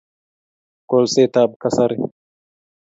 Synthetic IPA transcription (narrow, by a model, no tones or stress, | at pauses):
kolseːt̪aːb̚kɐsɐɾi